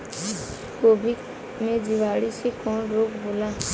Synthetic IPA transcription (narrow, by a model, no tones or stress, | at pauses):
koːbʱik | mẽd͡ʒɪʋaːɽisekɔːnɾoːkboːlaː